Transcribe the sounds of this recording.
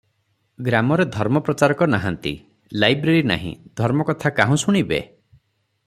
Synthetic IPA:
ɡɾamɔɾed̪ʱɔɾmɔpɾɔt͡ʃaɾɔkɔnaɦant̪ḭ | lajbɾeɾina̰ɦḭ̃d̪ʱɔɾmɔkɔt̪ʰakaɦɔ̃suɽ̃ibḛ

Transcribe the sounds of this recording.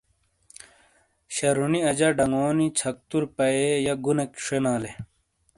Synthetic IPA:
ɕɐɾuniɐd͡ʑɐɖɐŋoːnit͡ɕʰɐk̚t̪uɾpɐejɐɡunekʂenaːle

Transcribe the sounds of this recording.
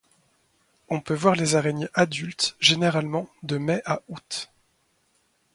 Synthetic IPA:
ɔ̃pøvwaʁlezaʁɛneʔad̪ylt̪ʒeneʁalmɑ̃d̪əmɛʔaut̪

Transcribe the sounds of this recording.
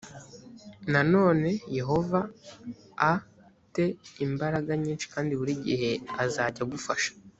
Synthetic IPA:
nano̞ːne̞je̞ɦo̞vaː | te̞imbaɾaɡaɲiːnʃi̥kaːndiβuɾiːɟḭhe̞azaːɟaɡufaʃḁ

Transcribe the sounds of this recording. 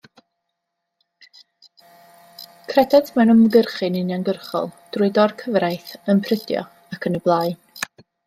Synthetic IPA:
kʰrɛdadmɛnɔmləɡərχɨnɪnjanɡərχɔ̰lˠd̥rʊɨdɔrkʰəvrajθənpʰrɪdjɔ̰ | akʰənəblˠaːj

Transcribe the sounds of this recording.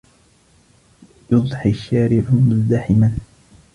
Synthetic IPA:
jʊðˤħɪʃːaːɾɪʕʊmʊzd̪aħɪman

